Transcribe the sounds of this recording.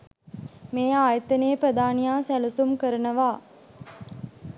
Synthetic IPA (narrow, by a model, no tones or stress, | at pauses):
meːaːjət̪əneːpɾəd̪aːnijaːsælusumkəɾənəʋaː